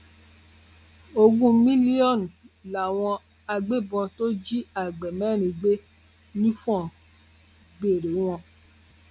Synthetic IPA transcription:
o˧ɡũ˦mĩ˦li˦ɔ˦˨n˨la˨w̃ɔ̃˧ | a˧ɡ͡be˦˨bɔ̃˧to˦d͡ʒi˦a˦˨ɡ͡bɛ˨mɛ̃˨˦˨ɾ̃ĩ˧ɡ͡be˦ | nĩ˦fɔ̃˦˨ | ɡ͡be˨ɾe˨˦w̃ɔ̃˧

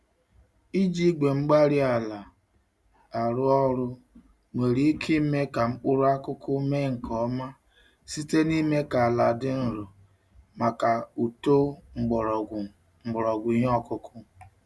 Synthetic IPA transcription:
i˦d͡ʒi˦ɡe˨ŋ͡m̩˦ɡ͡ba˦ɾi˦a˨la˨ | a˨ɾʊ˦ɔ˦ɾʊ˦ | me˨ɾi˦i˦kʰi˦me˦ka˨ŋ͡m̩˦k͡pʊ˦ɾʊ˦a˦kʊ˦kʊ˦me˦ŋ̩˨kʰɔ˦ma˦ | si˦te˦ni˦me˦ka˨a˨la˨dɪ˦n̩˨ɾʊ˨ | ma˨ka˨u˨to˦ŋ͡m̩˨ɡ͡bɾ | ŋ͡m̩˨ɡ͡bɔ˨ɾɔ˨ɡʷʊ˨ɲ˦ɔ˦kʊ˦kʰʊ˦

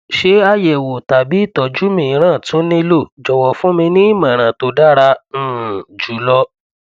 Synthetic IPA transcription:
ʃe˦a˦˨je˨wo˨ta˨bi˨˦i˦˨tɔ˨d͡ʒu˨˦mĩ˨˧ɾ̃ã˦˨tõ˨˦nĩ˦lo˦˨d͡ʒɔ˨wɔ˨fũ˦mĩ˧nĩ˦i˦˨mã˨ɾ̃ã˨to˧da˦ɾã˧˨ | d͡ʒu˨˦lɔ˧

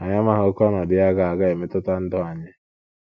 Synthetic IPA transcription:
a˨ɲa˦ma˦ɦʊ˦kɔ˦nɔ˨dɪ˦a˦ɡa˨a˨ɡa˦e˨mɪ˦tʊ˦ta˦n̩˦dɔ˦a˨ɲɪ˦

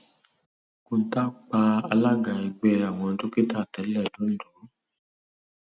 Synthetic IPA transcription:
kũ˧n̩˨˦ta˦k͡pa˧a˧la˦ɡa˧ɛ˧ɡ͡bɛ˧˦a˦˨w̃ɔ̃˧˦to˦ki˦ta˦˨tɛ˨˦lɛ˦˨dũ˨˦n̩˦du˨˦

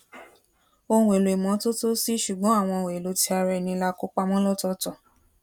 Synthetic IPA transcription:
õ˧˦we˨lo˨i˨mɔ̃˨˦to˦to˦si˦ʃu˨ɡ͡bɔ̃˨˦a˦˨w̃ɔ̃˧˨we˨lo˨˦ti˧˦a˧ɾɛ˧˨nĩ˧˦la˦ko˦k͡pa˦mɔ̃˦lɔ˦tɔ˧tɔ˨

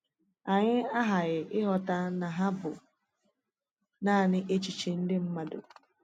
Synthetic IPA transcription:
a˨ɲɪ˦a˦ɦa˨ɣɪ˨ʔɪ˦ɦɔ˨ta˦na˨ɦa˦bʊ̰˨ | naː˦˨nɪ˦ʔe˦t͡ʃi˨t͡ʃi˨n̩˦dɪ˦m̩˦ma˨dʊ̰˨

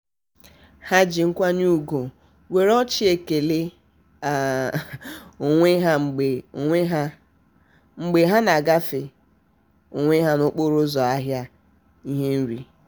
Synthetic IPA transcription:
ha˦d͡ʒi˨ŋ̩˦kʷa˦ɲ˦u˦˨ɡo˨ | we˨ɾɔ˦t͡ʃi˦e˨ke˨le˦ | a˨ | o˨ŋʷe˦ɦa˦ŋ͡m̩˨ɡ͡be˨e˦ɦa˦ | ŋ͡m̩˨ɡ͡be˨ɦa˦na˨ɡa˦fɪ˨ | o˨ŋʷe˦ɦa˦nʊ˦k͡po˦ɾʊ˦zɔ˨a˦ɦja˦ | i˦ɦe˦n̩˦ɾi˨

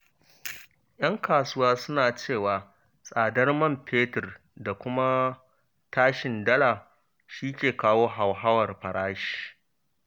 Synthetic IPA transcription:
j̰ɐ˦ŋkaː˨sʊ˦waː˦sʊ˦naː˨t͡ʃeː˦˨waː˨ | sʼaː˨dɐ˦rmɐ˦˨mpʰeː˦tɪ˨r | da˨kʷʊ˦ma˦ | taː˦ʃɪ˨ndɐ˦la˨ | ʃiː˦kʲeː˨kaː˦woː˦ɦa˨wɦa˦wɐ˨rɸɐ˨ɾaː˦ʃi̥˨

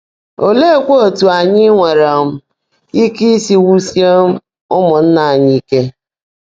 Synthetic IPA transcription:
o˨le˦˨kʷo˦o˨tu˨a˨ɲɪ˦ŋʷe˨ɾɔ˨m̩˦ | i˦ki˦si˦wu˦sje˦m̩˦ | ʊ˦mʊ˨n̩˦na˨a˨ɲɪ˦i˦ke˦

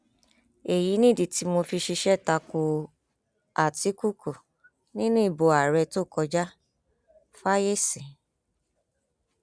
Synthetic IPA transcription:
e˨ji˨˦nĩ˦˨di˨ti˨˧˦mo˧fi˧ʃi˧ʃɛ˦˨ta˧ko˧ | a˨ti˨˦ku˦˨kʰo˨ | nĩ˦nũ˦i˦˨bo˧a˨ɾɛ˧to˦˨kɔ˧d͡ʒa˦ | fa˦je˦˨sĩ˨

